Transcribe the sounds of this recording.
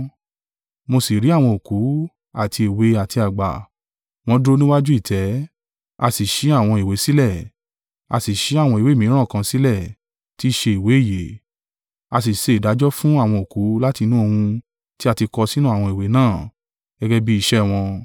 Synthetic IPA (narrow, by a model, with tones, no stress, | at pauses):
mo˧si˨ɾi˨˦a˦˨w̃ɔ̃˧o˨ku˨˦ | a˦˨tʰi˧e˨we˨˦a˨ti˧a˨ɡ͡ba̰˨ | w̃ɔ̃˧˦dɾo˧nĩ˦wa˦d͡ʒu˦i˦˨tʰɛ˨˦ | a̰˧si˨ʃi˨˦a˦˨w̃ɔ̃˧i˨we˨˦si˦lɛ˦˨ | a˧si˨ʃi˨˦a˦˨w̃ɔ̃˧i˨we˨˦˨mĩ˨˦ɾ̃ã˦˨kã˧si˦lɛ˦˨ | ti˦ʃe˧i˨we˨˦i˦˨je˨˦ | a˧s̬i˨ʃe˧i˨da˨˦d͡ʒɔ˦fũ˦a˦˨w̃ɔ̃˧o˨ku˨˦la˦ti˧nũ˦o˧hũ˧ | ti˦a˦˧˨ti˧kɔ˧si˦nũ˦a˦˨w̃ɔ̃˧i˨we˨˦nãː˦˨ | ɡ̥ɛ˦ɡɛ˧bi˦i˧ʃɛ˦w̃ɔ̃˧